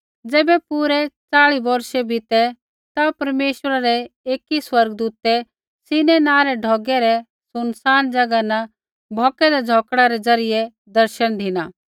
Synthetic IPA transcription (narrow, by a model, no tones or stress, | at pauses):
d͡zɛːbɛpuɾɛt͡saːɭibɐɾʃɛbʱit̪ɛ | t̪apɐɾmeːʃəɾaɾɛeːkiswɐɾɡd̪uːt̪ɛ | sɪnɛnaːɾɛɖʱɔːɡɛɾɛ | sʊnsaːnd͡ʒɐɡana | bʱɔːkɛd̪ɛd͡zʱɔːkɽaɾɛd͡zɐɾɪjɛ | d̪ɐɾʃənd̪ʱɪnaː